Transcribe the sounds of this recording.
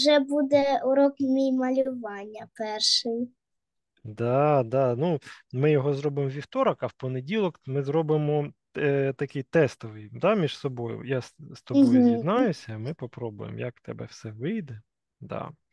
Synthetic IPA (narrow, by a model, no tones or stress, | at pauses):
ʒɛbud̪ɛuɾɔkmʲijmɐlʲʊʋɑnʲːɐpɛrʃɪj | d̪ɑd̪ɑnumɪjɔɦɔzɾɔbɪmɔʋʲiwt̪ɔɾɐkɐwpɔnedʲilˠɔkmɪzɾɔbɪmɔ | t̪ɐkɪjt̪ɛst̪ɔʋɪjd̪ɑmʲiʃsɔbɔjʊ̰jasst̪ɔbɔjʊdʲinɑjʊsʲɐmɪpɔpɾɔbʊ̰jḛmjɐk̚t̪ɛbɛ̰wsɛʋɪjd̪ɛ | d̪ɑ̰